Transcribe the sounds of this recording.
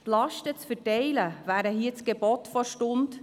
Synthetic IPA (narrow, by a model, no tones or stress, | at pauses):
tlɑʃtət͡sfətɛɪləvæːɾəɦiət͡sɡ̥ebɔtfɔɾʃtʊnd